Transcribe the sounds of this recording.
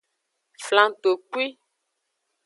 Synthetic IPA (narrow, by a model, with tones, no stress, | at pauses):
flã˦˨t̪o˨k͡pu˦i˦